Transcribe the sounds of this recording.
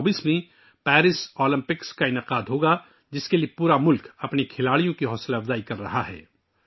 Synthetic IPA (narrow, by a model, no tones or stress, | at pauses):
biːsmẽ | pɛːɾɪsɔːlɪ̃mpɪkskaɪnəqaːd̪ɦoːɡa | d͡ʒɪskeliepuːɾamʊlkɐpnikʰɪlaːɽijõkiɦɔːsɪlɐfzaːikɐɾːɐɦaɦɛ̰ː